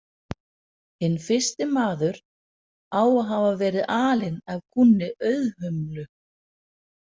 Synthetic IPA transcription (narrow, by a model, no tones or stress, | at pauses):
hɪnːfɪ̥st̪ɪmaːðʏɾ̥ | aːwaɦavavɛːɾɪðʔaːlɪnavkʰunːɪʔœɥðhœmlʏ